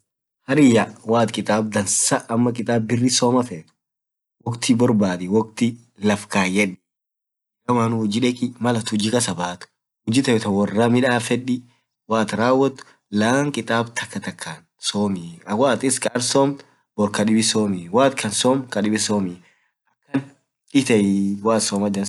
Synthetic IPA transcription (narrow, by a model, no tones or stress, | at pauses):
hɐɾɪjawaːt̪kʼɪt̪ʼaːb̚d̪ɐnsɐʔɐmːɐkʼɪt̪ʼaːbbɪrːɪsoːmɐfeːt̪ʊ̥ | wɔkt̪ʰɪbɔɾbaːd̪ɪwɔk̚t̪ɪ | lɐfkaːjɛᶑɪ̥ | ɡɐmaːnʊʊd͡ʒɪᶑɛkɪmɐlɐt̪ʊd͡ʒɪkɐsɐbaːt̪ʊ̥ | hʊd͡ʒɪt̪ɐjɛt̪ɐwɐrːaːmɪᶑaːfɛᶑi | waːt̪ɾaːwːɐt̪ːʊ̥ | laːŋkʼɪt̪ʼaːbt̪ʰɐkːɐt̪ɐkʰːan | soːmɪɐwaːt̪ɪskʼɐːɾsoːm | bɔɾkɐɗɪbɪsoːmɪwaːt̪kʰɐnsoːmkɐᶑɪbɪsoːmɪ | ʔɐkːɐn | ɪt̪ɐɪwaːt̪soːmɐd͡ʒɐ